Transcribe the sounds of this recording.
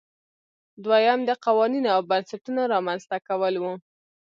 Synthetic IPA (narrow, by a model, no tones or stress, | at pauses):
d̪wajamd̪əqawɑninoawbansaʈunaɾɑmanz̥t̪akawəlwu